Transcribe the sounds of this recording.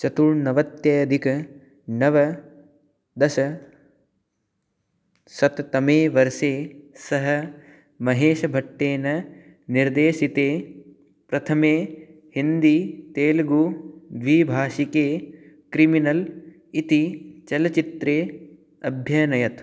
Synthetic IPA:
t͡ʃɐt̪uɻnɐʋɐt̪jɐjɐd̪ʱikɐ | nɐʋɐ | d̪ɐʃɐ | sɐt̪t̪ɐmeːʋɐɾʃeːsɐɦɐ | mɐɦeːʃɐbʱɐʈːeːnɐ | niɾd̪eːʃit̪eː | pɾɐt̪ʰɐmeː | hind̪it̪eːlɡuʋiːbʱaːʃikeː | kɾiminɐl | it̪it͡ʃɐlɐt͡ʃit̪ɾeː | ɐbʱjɐɐnɐjɐt̪

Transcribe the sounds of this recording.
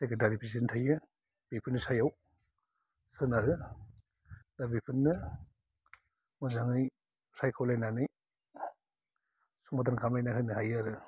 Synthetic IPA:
seketaɾipʰɾis̬intʰajɯ | b̥ipʰɯnɯsajaw | sɯnaɦɯ | dabipʰɯnːɯ | mɯzaŋɯj | sajkʰawlajnanɯj | sumat̬ankʰamlajnaɦɯnɯɦajaɾɯ

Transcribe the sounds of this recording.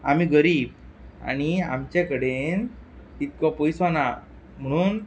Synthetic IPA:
amiɡəɾiːba̰ɽ̃ia̰mt͡ɕẽkəɽenit̪kɔpəjsana | m̤əɽ̃uːn

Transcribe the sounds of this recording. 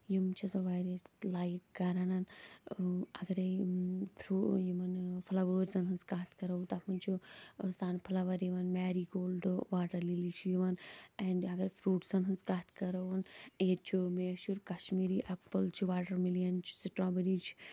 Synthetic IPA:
jimt͡ʃʰizɐʋaːɾislaːjkkɐɾanan | ɐɡɐɾepʰɾujimɐnpʰɐlɐʋəːɾzɐnɦɐnskaːt̪ʰkɐɾɐwut̪ɐpɐnt͡ʃʰusaːnpʰɐlɐʋɐɾjiʋɐnmaːɾiɡoːlɖʋaːʈɐɾlilit͡ʃʰijiʋɐnɛɳɖɐɡɐɾpʰɾuːʈsɐnɦɐnskaːt̪ʰkɐɾɐʋɐneːt͡ʃʰimeːʃuɾkɐʃmiːɾiʔɐpːəlt͡ʃʰiʋaːʈɐɾmilijant͡ʃʰi̥siʈɾaːbɐɾiːt͡ʃʰ

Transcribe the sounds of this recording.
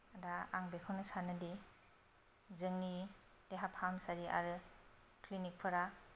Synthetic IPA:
adaaŋbekʰɔwnɯsanɯdi | zɯŋni | deɦaphamsaɾiʔa̰ɾɯ | klinik̚pʰɯɾa

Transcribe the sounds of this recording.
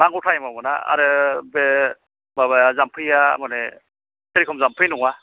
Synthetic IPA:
naŋɯtʰajmamɯna̰a̰ɾɯbe | baβazampʰɯjamane | teɾikʰɔmzampʰɯjnuŋa

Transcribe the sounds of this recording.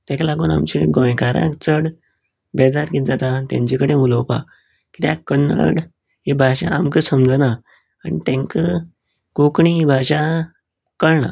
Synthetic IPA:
t̪ɛ̃kalaɡuːna̰mt͡ɕeɡɔ̃jkaɾa̰kt͡səɽ | bɛd͡zaɾkit̪̚d͡zat̪at̪jã̰ɲt͡ɕikəɽẽuləwpa̰ | kit̪jakənə̰ɽ | ɦibʱaɕaamkəsəmd͡zəna | anit̪ẽŋkə | kokɳiibʱaɕa | kəɭɳa̰

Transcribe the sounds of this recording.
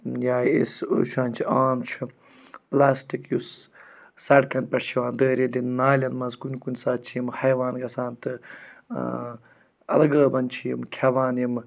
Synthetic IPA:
jaːjḭso̰ʃãːnʲt͡ʃʰiaːmt͡ʃʰu | plaːsʈikjus | sɐɽkɐnpʲɐʈʃʰiʋaːnd̪əːɾʲid̪innaːlʲɐnmɐzɡunʲkunʲsaːt͡ʃʰijimhɐjʋaːnɡɐsaːnt̪ɨ | ɐ̰lɐɡəːbɐnt͡ʃʰijimkʰɐʋaːnjim

